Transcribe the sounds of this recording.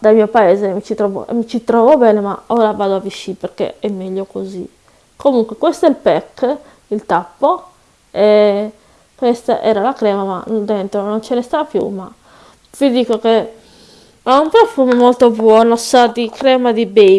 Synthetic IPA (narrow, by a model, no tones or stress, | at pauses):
d̪almiːopaɛːzemit͡ʃit̪ɾɔvo̰ʔḛmːit͡ʃit̪ɾɔːvobɛːnemaɔːɾavaːd̪oaviʃːipeɾkḛɛmːɛʎːokozḭ | komuŋkwekwɛst̪oɛlpɛkː | ilt̪apːo | ɛ | kwɛst̪aʔɛ̰ːɾalakɾɛːmama̰d̪ɛnt̪ɾonont͡ʃenest̪apjṵma | vid̪iːkoke | aumpɾofumemolt̪obwɔːnosad̪ikɾɛːmad̪ibe